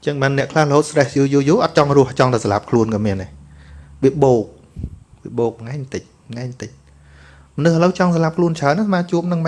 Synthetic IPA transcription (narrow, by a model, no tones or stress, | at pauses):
t͡ɕəŋɓaːnːɛ̆əʔkʰlahləhoːt̪̚srɛhjuːjuːjuːʔɑt̪̚t͡ɕɑŋrʊ̆əht͡ɕɑŋt̪aəsala̰p̚kʰluənkɑmiəna | ʋiəɓoːk̚ | ʋiəɓoːk̚ŋaɛt̪ɨc̚ | ŋaɛt̪ɨc̚ | mənɨhʔələwt͡ɕɑŋsalap̚kʰluənt͡ɕʰaənːasmaːt͡ɕuəp̚nɨŋɓ